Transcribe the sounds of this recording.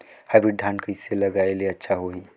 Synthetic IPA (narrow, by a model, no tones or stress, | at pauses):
habɾiɖʱãːnkəɪselɐɡaːeleɐtːʃʰaɦoɦi